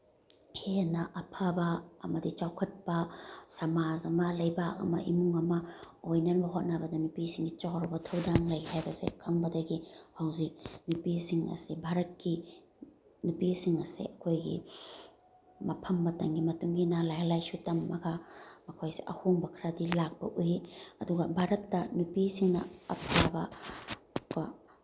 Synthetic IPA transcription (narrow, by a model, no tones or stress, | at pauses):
pʰenɐʔɐpʰabɐ̰ːmɐdit͡ʃawkʰɐt̚pɐsɐmazɐmɐlɐjbakɐ̰mɐ̰ʔimuŋɐmɐ | ojnɐnbɐɦot̚nabɐdɐnupisiŋɡit͡ʃawɾɐbɐtʰɐwdaŋlɐjhajbɐsḛkʰɐŋbɐdɐɡihɐwzik̚nupisiŋɐ̰sebʱaɾɐt̚ki | nupisiŋɐsḛʔɐkʰojɡḭ | mɐpʰɐmːɐtɐŋɡimɐtuŋɡinalajalajsutɐmːɐɡamɐkʰojseʔɐhoŋbɐkʰɾadilak̚b̥ɐʔujiɐduɡɐbʱaɾɐtːɐnupisiŋnɐ̰ɐ̰pʰɾabɐ | ka